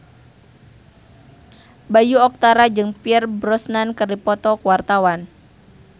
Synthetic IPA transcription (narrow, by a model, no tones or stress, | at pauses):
bajuɔk̚t̪aɾad͡ʒɨŋpiərbɾɔsnankəripɔt̪ɔkuwart̪awan